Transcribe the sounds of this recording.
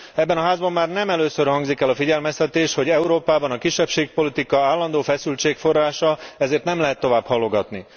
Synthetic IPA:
ɛbːɛnɒɦaːzbɒmːaːrnɛmɛløːsørhɒŋɡzikɛlːɒfiɟɛlmɛst̪ɛt̪eːʃho̞ɟɛuɾoːpaːbɒnɒkiʃːɛpʃeːk̚po̞lit̪ikɒaːlːɒnd̪oːfɛsylt͡ʃeːkfo̞raːʃɒɛzeːrt̪nɛmlɛɦɛt̪ːo̞vaːbhɒlːo̞ɡɒt̪ni

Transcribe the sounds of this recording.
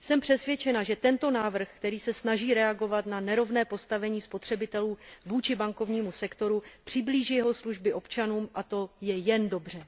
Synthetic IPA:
sɛmpr̝̥ɛsvjɛt͡ʃɛnaʒɛt̪ɛnt̪o̞naːvr̩xkt̪ɛɾiːsɛsnaʒiːɾɛaɡo̞vat̪nanɛɾo̞vnɛːpo̞st̪avɛɲiːspo̞t̪r̥ɛbɪt̪ɛluːvuːt͡ʃɪbaŋko̞vɲiːmusɛkt̪o̞ɾupr̝̥ɪbliːʒiːjɛɦo̞sluʒbɪʔo̞pt͡ʃanuːmʔat̪o̞jɛjɛndo̞br̝ɛ

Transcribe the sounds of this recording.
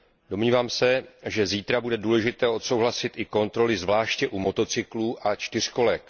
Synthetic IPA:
do̞mɲiːvaːmsɛʒɛziːt̪ɾabudɛduːlɛʒɪt̪ɛːo̞t̪so̞wɦlasɪt̪ʔɪko̞nt̪ɾo̞lɪzvlaːʃcɛʔumo̞t̪o̞t͡sɪkluːʔʔat͡ʃt̪ɪr̝̥ko̞lɛk

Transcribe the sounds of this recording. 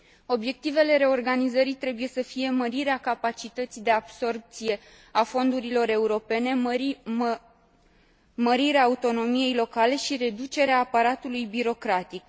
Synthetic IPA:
o̞bje̞k̚t̪ive̞le̞ɾe̞o̞rɡanizəɾit̪ɾe̞buje̞səfije̞məɾiɾeakapat͡ʃit̪ət̪sid̪e̞ab̥so̞rp̚t̪sije̞ | afo̞nd̪uɾilo̞ɾe̞uɾo̞pe̞ne̞ | məɾiɾeaːut̪o̞no̞mije̞jlo̞kale̞ʃiɾe̞d̪ut͡ʃe̞ɾeaːpaɾat̪ulujbiɾo̞kɾat̪ik̚

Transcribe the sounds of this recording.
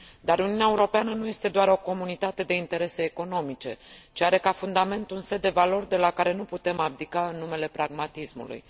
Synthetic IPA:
d̪aɾuniuneaeuɾo̞peanənuje̞st̪e̞d̪oaɾo̞ko̞munit̪at̪e̞d̪e̞int̪e̞ɾe̞se̞ːko̞no̞mit͡ʃe̞̰t͡ʃiaɾe̞kafund̪ame̞nt̪unse̞d̪ːe̞valo̞rd̪e̞lakaɾe̞nuput̪e̞mab̚d̪ikaɨnːume̞le̞pɾaɡmat̪ismṵlṵj

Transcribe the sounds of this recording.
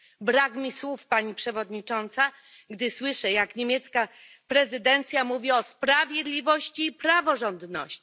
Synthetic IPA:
bɾakmʲiswufpaɲipʂɛvɔd̪ɲit͡ʂɔnt̪sa | ɡd̪ɘswɘʂɛjakɲemʲjɛt̪ska | pɾɛzɘd̪ɛnt̪sʲjamuvʲiɔspɾavʲjed̪lʲivɔɕt͡ɕiːpɾavɔʐɔnd̪nɔ̰ɕt͡ɕi̥

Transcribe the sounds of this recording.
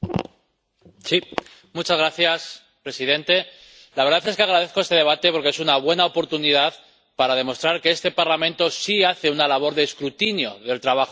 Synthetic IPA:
si | mut͡ʃazɣɾaθjas | pɾe̞siðẽ̞nt̪e̞ | laβeɾðaθe̞skeaɣɾað̞e̞θko̞est̪e̞ðe̞βat̪e̞po̞ɾkee̞sunaβ̞we̞naopo̞ɾt̪unið̞að | paɾaðe̞mo̞st̪ɾaɾke̞est̪e̞paɾlamẽnt̪o̞siaθe̞unalaβ̞o̞ɾðe̞ːskɾut̪injo̞̰ðe̞lt̪ɾaβ̞axo

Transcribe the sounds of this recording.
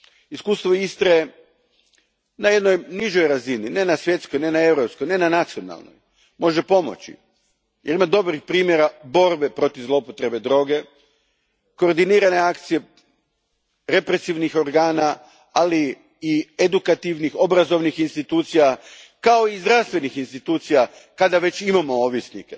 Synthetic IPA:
iskuːst̪ʋo̞ist̪ɾae | naje̞d̪no̞jniʒo̞jɾazinine̞nasʋje̞t̪sko̞jne̞nae̞wɾo̞pskojne̞nanat̪sio̞na̰lˠno̰j | mo̞ʒepo̞mo̰t͡ʃḭ | jeɾimad̪o̞bɾixpɾiːmje̞ɾabo̞ɾbe̞pɾo̞t̪ivzlˠo̞pot̪ɾe̞be̞d̪ɾo̞ɡe̞ | ko̞ːɾd̪iniːɾane̞akt̪sije̞ | ɾe̞pɾe̞siʋnixo̞ɾɡaːna | aliː | ed̪ukat̪iʋnixo̞bɾazo̞ʋnixinst̪it̪uːt̪sija | kao̞izd̪ɾaʋst̪ʋe̞nixinst̪it̪uːt̪sija | kad̪aʋe̞t͡ʃimamo̞oʋisnike

